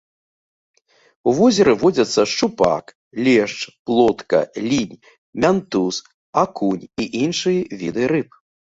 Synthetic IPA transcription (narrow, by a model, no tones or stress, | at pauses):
uvɔzʲɛɾɨvɔd͡zʲɐt̪sːɐʂt͡ʂupa̰k | lʲɛʂt͡ʂplˠɔt̪kɐ̰lʲinʲ | mʲant̪us | akunʲiʔinʂɨjɐvʲid̪ɨɾɨp̚